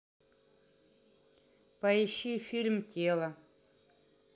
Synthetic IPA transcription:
pɐjɪɕifʲilʲmtʲʰelˠɐ

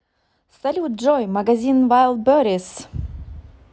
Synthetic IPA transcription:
salʲut̪̚ʒojmaɡazʲinvajlˠbøɾis

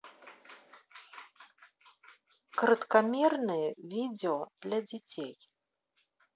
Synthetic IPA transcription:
krɐt̪kamʲɛrnɨjɛvʲid͡zʲɛɔd̪lʲad͡zʲɛt͡sʲʰej

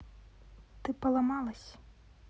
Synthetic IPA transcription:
t̪ɪpɔlˠɐmɑlˠɐsʲ

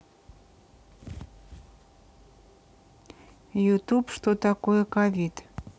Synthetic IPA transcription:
jut̪upʃt̪ot̪ɑkojəkɑvit̪

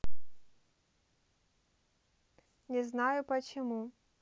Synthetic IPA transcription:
nʲɛznajʊpɐt͡ɕɪmu

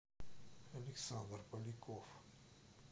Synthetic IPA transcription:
ɐlʲiksand̪rpɐlʲikof

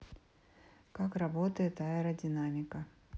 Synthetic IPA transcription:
kakrɐbot̪əjɪt̪aɪɾədʲɪnamʲɪkə

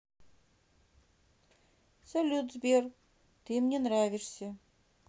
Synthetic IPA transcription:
sɐlʲut̪zbʲer | t̪ɨmnʲenɾavʲiʂsʲə

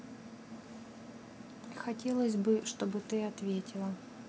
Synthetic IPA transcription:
xɐtʲe̞lˠəsʲbɨʂt̪o̞bɨt̪ɨɐt̪vʲetʲɪlˠə

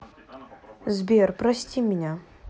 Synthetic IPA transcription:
zbʲerprɐsʲtʲimʲinʲa

